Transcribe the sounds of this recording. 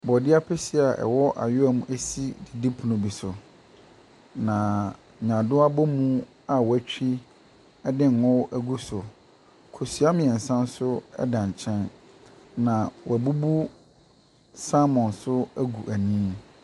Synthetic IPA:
bɔ˨dɪ˦a˦pʰɛ˦si˦˨a˨ʔɛ̰˨wɔ˦ʔa̰˨jʊ˦a˦˨mũ˦ʔæ˦si˦dɪ˨di˦pʰu˨nʊ̃˨bi˨sʊ˨ | nã˨ | ɲã˨dʊ˦a˦bɔ˦mũ˦ | a˨wɔ˨æ˦t͡ɕᶣi˦ | ɛ˦dɪ̃˦n̩˨ʊ˦ʔæ˦ɡu˦sʊ˨ | kʰo˨su˨˦a˦mɪ̃˨ɛ˨n̩˨sã˦n˦sʊ˦ɛ̰˦dã˨ɲ˨t͡ɕʰɛ̃˦n | nã˨wɔ˨æ˨bu˦bu˦ | sa˦mɔ̃˨nsʊ˦æ˦ɡu˨ʔæ˨nĩː˦

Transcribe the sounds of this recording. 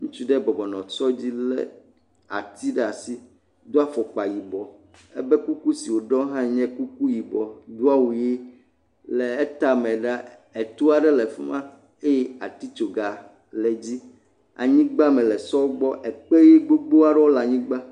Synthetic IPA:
ŋũ˦t͡ʃu˦ɖɛ˦bɔ˨bɔ˨nɔ̃˨t͡ʃɔ˦d͡ʑi˦lɛ̰˦ | a̰˨t̪ʰi˦ɖa˨si˦ | d̪o˦a˦fɔ˨k͡pa˨ji˨bɔ˨ | ɛ̰˦bɛ˦ku˦ku˦si˨wo˨ɖɔ̃˦ɦã˦ɲɛ̃˦ku˦ku˦ji˨bɔ˨d̪u˦a˦wu˨je˦ | lɛ˨ɛ˦t̪a˦mɛ̃˨ɖa˦ | e˨t̪u˦a˨ɖɛ˦lɛ˨fɛ˦mã˦ | e˦jɛ˦a̰˨t̪i˦t͡ʃo˨ɡa˨ | lɛ˨d͡ʑi˦ | a̰˨ɲĩ˦ɡ͡ba˦mɛ̃˨lɛ˨sɔ˦wo˦ɡ͡bɔ˦ʔɛ˨k͡pe˦je˦ɡ͡bo˦ɡ͡bo˦a˦ɖɛ˦wo˦la˨ɲĩ˦ɡ͡ba˦

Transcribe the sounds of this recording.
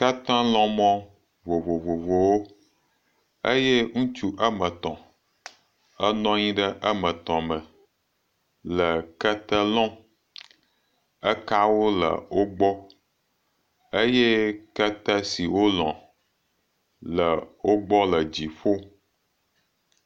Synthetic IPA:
ka˦t̪ã˦lɔ̃˦mɔ̃˦ | vo˨vo˨vo˨vo˨wo˦ | ə˦je˦ŋũ˦t͡ʃu˦ʔə˦mə̃˨t̪ɔ̃˨ | ə˦nɔ̃˦ɲĩ˦ɖə˦ʔə˦mə̃˨t̪ɔ̃˨mə̃˨ | lə˨kə˦t̪ə˦lɔ̃˦ | ə˦ka˦wo˦lə̰˨wo˦ɡ͡bɔ˦ | ə˦je˦kə˦t̪ə˦si˨wo˦lɔ̰̃˨ | lə˨wo˦ɡ͡bɔ˦lə˨d͡ʑi˨ɸo˦

